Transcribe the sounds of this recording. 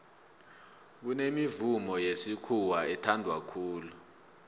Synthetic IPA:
k̬unemivumɔjesikʰuwaɛtʰandʱwakʰuːlu

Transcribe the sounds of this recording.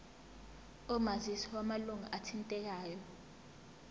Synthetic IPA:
ɔmazisiwamaluŋaʔatʰintʼɛk̬aːjɔ

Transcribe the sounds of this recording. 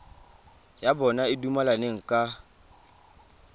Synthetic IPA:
jabɔnaɪdumalaneŋ̩kʼa

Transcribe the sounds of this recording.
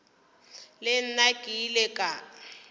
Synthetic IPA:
lɪn̩naɡ̥ʼʱilɛkʼa

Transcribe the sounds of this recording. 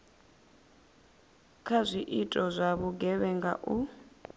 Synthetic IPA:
kʰazʷiʔitʼɔzʷaβuɡɛβɛŋɡa̰ʔu

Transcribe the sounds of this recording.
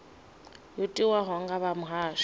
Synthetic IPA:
jotʼiwaɦɔŋɡaβamʊɦaːʃ

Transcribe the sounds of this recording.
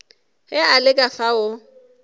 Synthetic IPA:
hɪalɪkʼafaʊ

